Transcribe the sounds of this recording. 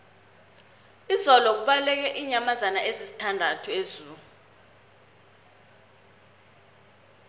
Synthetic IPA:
izɔlɔk̬uɓalɛk̬ɛʔiɲamazanaʔezisi̥tʰandʱatʰuezuːu

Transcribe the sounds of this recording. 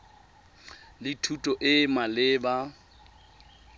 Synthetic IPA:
lɪtʰutʼɔʔɪmalɪːba

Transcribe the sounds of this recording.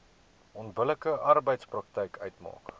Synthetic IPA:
ɔnbələkəʔɐrbəjtsprɐk̚tɛjkʰœɥtmɑ̰ːk

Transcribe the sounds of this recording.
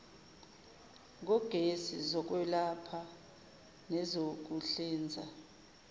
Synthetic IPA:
k̬ɔɡ̥ʱesizɔk̬wɛlapʰa | nɛzok̬uɬiːnd͡zʱa̰

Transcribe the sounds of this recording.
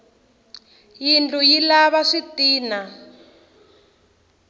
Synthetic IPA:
jintʰʼujilaβaʂitiːna

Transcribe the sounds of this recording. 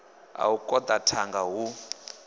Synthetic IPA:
a̰ukʼɔd̪atʰaŋɡaɦu

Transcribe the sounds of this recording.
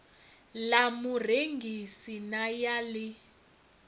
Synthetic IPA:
lamureŋɡʱisinajaːlɪ

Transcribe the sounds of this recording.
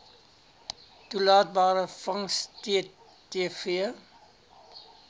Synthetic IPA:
tulɑːt̚bɑːɾəfɐŋstiə | iəfiə

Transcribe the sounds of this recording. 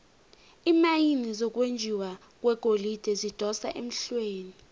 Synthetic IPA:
iːmajinizɔk̬ʼwend͡ʒʱiwa | k̬ʼwɛɡ̥ʱolid̥ʱɛzid̥ʱɔsa̰ʔem̩ɬweːni

